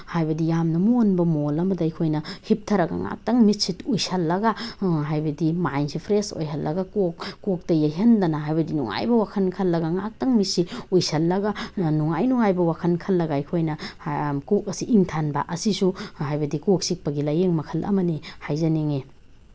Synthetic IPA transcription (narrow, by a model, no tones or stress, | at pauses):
hajbɐdijamnɐmuonbɐmolɐmɐdɐjkʰojnɐhip̚tʰɐɾɐɡa̰ŋa̰k̚tɐŋmitsitujsɐlːɐɡaɦajbɐdimajnsʰipʰɾeso̰jɦɐlːɐɡakokːok̚tɐjɐjɦendɐnɐɦajbɐdinuŋa̰jbɐwakʰɐnkʰɐlːɐɡaŋak̚tɐŋmit̚siujsɐlːɐɡanuŋajnuŋajbɐwakʰɐnkʰɐlːɐɡaikʰojnɐkok̚ɐsiʔiŋtʰanbɐ̰ʔɐsisuhajbɐdikok̚sik̚pɐɡilajeŋmɐkʰɐlʔɐ̰mɐnihajzɐneŋe